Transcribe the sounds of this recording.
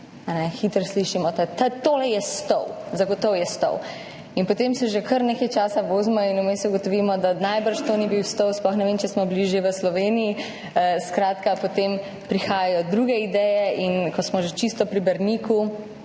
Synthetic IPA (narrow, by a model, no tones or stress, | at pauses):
anɛxit̪əɾsliʃimɔt̪at̪ət̪olɛjɛst̪ɔwzaɡot̪ɔwjɛst̪ɔ̰w | inpɔt̪emsɛʒekəɾnekɛjt͡ʃaːsaʋoːzmɔinumest̪uɡot̪ɔʋimɔd̪anajbəɾʃt̪onibiwst̪ɔwsplɔxnɛʋent͡ʃɛsmɔbliʒjeʋəslɔʋeːniji | skɾaːt̪kapot̪em | pɾixaːjajɔd̪ɾuɡɛid̪ɛjɛinkʰɔsmɔʒet͡ʃist̪ɔpɾibɛɾniku